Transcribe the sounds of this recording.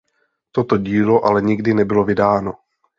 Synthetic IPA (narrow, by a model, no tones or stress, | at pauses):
t̪ot̪oɟiːlo̞ʔalɛɲɪɡdɪnɛbɪlo̞vɪdaːno̞